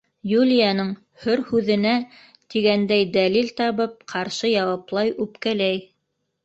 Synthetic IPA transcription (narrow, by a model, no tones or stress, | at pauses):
julʲɪjɑnɤɴ | hɵɾhʉðɘ̆næ | t̪iɡænd̪æjd̪ælilt̪ɑβɤp̚qʰɑɾʃɤjɑwɑplˠɑjʔʉpkælæj